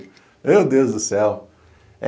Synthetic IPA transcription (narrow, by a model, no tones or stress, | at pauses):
ewd̪ewzd̪ʊsɛw